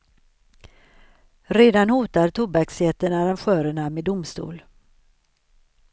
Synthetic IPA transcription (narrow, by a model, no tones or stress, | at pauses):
ɾeːd̪anhuːt̪aɾt̪ʰʊbaksjɛt̪ənaɾanɧœːɾəɳameːd̪ʊmst̪ṵːl